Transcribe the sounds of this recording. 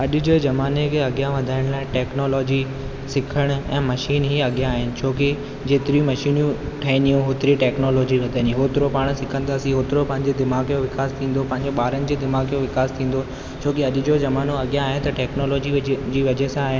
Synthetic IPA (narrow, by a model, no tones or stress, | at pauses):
ɐʄʊ̆d͡ʑezɐmaːnekʰeɐɠjaʋɐd̪ʱaːɪɽ̃laːɪ̃ʈɛːknoːlɔːd͡ʑi | sɪkʰəɽ̃ɛ̃ːmɐʃiːnɦiɐɠijaːɦɪnɪ̆t͡ɕʰoːke | d͡ʑeːt̪ɪɾijũmɐʃiːnjũ | ʈʰɐɦɪ̃nijũɦoːt̪ɾiʈɛːknoːlɔːd͡ʑiʋɐd̪ʱaːniɦoːt̪ɪɾopaːɽ̃sɪkʰə̃n̆d̪aːɐsĩɦoːt̪ɪɾopɐ̃ɦɪ̃ɲd͡ʑed̪ɪmaːɣjoʋɪkaːst̪ʰĩːn̆d̪opɐ̃ɦɪ̃ɲd͡ʑoɓaːɾənɪ̆d͡ʑeːd̪ɪmaːɣjoʋɪkaːst̪ʰĩːn̆d̪o | t͡ɕʰoːkeɐʄʊ̆d͡ʑozɐmaːnoɐɠijaːɦɪnt̪ɐʈɛːknoːlɔːd͡ʑid͡ʑiːʋɐd͡ʑesãaːɦɪnɪ̆